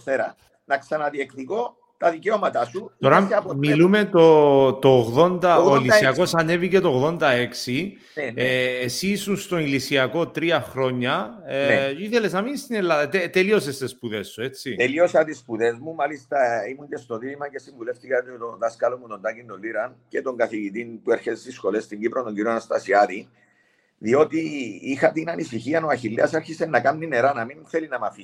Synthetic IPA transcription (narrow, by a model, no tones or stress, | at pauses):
θeɾɐ | nɐksɐnɐðiekt̪iko | t̪ɐðiceomɐt̪ɐsuoɾɐmilume̞t̪ot̪oːɣðo̞nd̪ɐoilisiɐko̞sɐne̞vice̞t̪oːɣðo̞nd̪ɐeksi | eːsisunst̪o̞ilisiɐko̞t̪ɾiɐxɾo̞ɲːɐ | iθelesnɐminst̪inelːaðɐt̪et̪elio̞sest̪espuðe̞sːue̞t͡sːit̪elio̞sɐt̪ispuðe̞zmumalist̪ɐimuɲɟe̞st̪o̞ðilimɐce̞siɱvule̞ft̪ikɐt̪t̪onðɐskɐlomːut̪o̞nd̪ɐcind̪oliɾɐnce̞t̪o̞ŋɡɐθiʝit̪inpueɾçet̪est̪isxo̞le̞st̪iɲɟipɾond̪oɲɟiɾionɐst̪ɐsiɐt̪i | ðio̞t̪iixɐt̪inɐnisiçiɐnoɐçilːeɐseɾçisenːɐkɐmnine̞ɾɐnɐminθe̞linɐmɐfi